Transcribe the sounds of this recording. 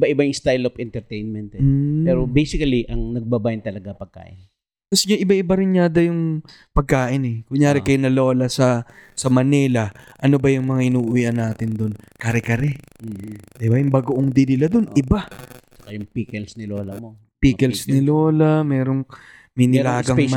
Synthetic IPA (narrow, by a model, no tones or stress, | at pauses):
baʔɪbajʊŋst̪ajlofɛnt̪ɛɾt̪ejnmɛnt̪ɛːpɛːɾobejsɪkɐliʔɐŋnɐɡ̚babajʊnt̪ɐlɐɡapɐɡ̚ka̰ːʔɪn | kɐsɪɲaʔɪbaʔɪbaɾɪnɲaːd̪ɐjʊŋ | pɐɡ̚kaːʔɪnɛkʊŋjaːɾɪkɐjonɐlo̞ːlɐsɐsɐmɐnɛlɐʔɐno̞bɐjʊŋmɐŋaʔɪnuːʔʊijʔɐnːaːt̪ɪnd̪onkɐɾɛkɐɾɛ | d̪ɪbajʊŋbɐɡoʔoŋd̪ɪnɪlad̪onʔɪbat͡ʃɐ̥kajʊŋpikɛlsnɪloːlɐmo | piːkɛlsnɪlo̞ːlɐmɛːɾo̞ŋ | mɪnɪlaːɡɐŋ